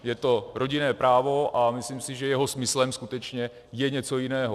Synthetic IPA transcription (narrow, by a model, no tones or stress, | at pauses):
jɛt̪o̞ɾo̞ɟɪnɛːpɾaːvo̞ʔamɪslimsɪʒɛjɛɦo̞smɪslɛmskut̪ɛt͡ʃɲɛ | jɛɲɛt͡so̞jɪnɛːɦo